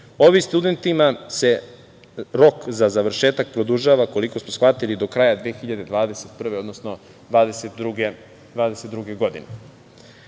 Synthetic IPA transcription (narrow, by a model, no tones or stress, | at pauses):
o̞ʋimst̪ud̪e̞nt̪imase̞ | ɾo̞kzazaʋr̩ʃe̞ːt̪ak̚pɾo̞d̪uʒaʋako̞liko̞smosxʋat̪ilid̪o̞kɾaːjad̪ʋeːxiʎad̪e̞d̪ʋaːd̪e̞set̪̚pr̩ʋe̞o̞d̪nosno̞ | d̪ʋaːd̪eset̪ɾuɡe | d̪ʋaːd̪eset̪d̪ɾuɡe̞ɡo̞d̪ḭne